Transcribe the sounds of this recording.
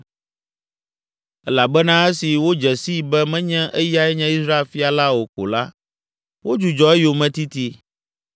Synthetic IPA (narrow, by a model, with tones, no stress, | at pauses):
ɛ˦la˨bɛ˦nã˦ɛ˦si˨wo˦d͡ʒɛ˨si˦˨bɛ˦mɛ̃˦ɲɛ̃˦ʔɛ˦ja˦ɛ˦ɲɛ̃˦i˦sɾa˦e˨lfi˦a˨la˦wo˨ko̰˨la˦ | wo˦d͡ʒu˨d͡ʒɔ˨ɛ˦jo˨mɛ̃˦t̪i˦t̪i˦